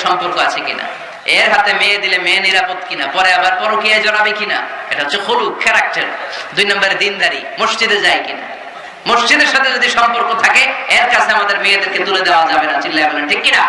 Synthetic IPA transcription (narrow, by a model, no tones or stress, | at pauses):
ʃɔmpoɾkoat͡ɕʰekḭna̰ | eɾɦat̪emeed̪ilemeniɾapot̪kinapɔɾeabaɾpɔɾokiajd͡ʑɔɾabekina̰eʈaɦot͡ɕʰexʰolukɛɾak̚ʈaɾd̪ujnambaɾed̪ind̪aɾḭmoʃd͡ʑid̪eɾd͡ʑajkina̰ | moʃd͡ʑid̪eɾʃat̪ʰed͡ʑod̪iʃɔmpoɾkot̪ʰakeeɾkat͡ɕʰeamad̪eɾmeed̪eɾket̪uled̪eoad͡ʑabenad͡ʑilːaebaneʈʰikːina